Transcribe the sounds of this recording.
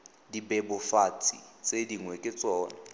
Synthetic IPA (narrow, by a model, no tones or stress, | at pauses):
dibɛbʊfat͡sʰʼḭt͡sʼediŋwɛkʼɪt͡sʼɔːna